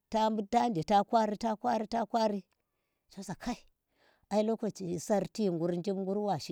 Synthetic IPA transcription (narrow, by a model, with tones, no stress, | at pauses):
ta˦mbu˦da˦nde˨ta˦kʷa˦ɾi˦ta˦kʷa˦ɾi˦ta˦kʷa˦ɾi˦ | ʃa˨˦sa˨kʰa˦i˨ | a˨i˦lo˦ko˨t͡ʃi˨sa˦ɾti˦ŋɡu˦ɾnd͡ʒi˦mŋɡu˦ɾwa˨ʃi˦